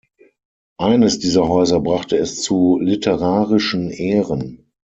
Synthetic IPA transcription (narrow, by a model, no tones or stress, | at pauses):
ʔaɪnəsd̥iːzɐɦɔʏzɐbʁaχtəɛst͡sulɪtʰəʁaːʁɪʃn̩ʔeːʁən